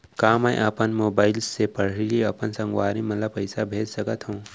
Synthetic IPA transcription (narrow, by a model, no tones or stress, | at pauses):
kaːməjʔɐpənmoːbaːɪlsːepəɽ̤iiɐpənsɐ̃ŋɡwaːɾĩmɐt̪ləb̚pəɪsabʱeːd͡ʒsɐkət̪ɦũː